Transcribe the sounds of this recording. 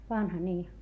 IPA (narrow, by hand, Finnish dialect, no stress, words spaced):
ʋɑnhɑ niː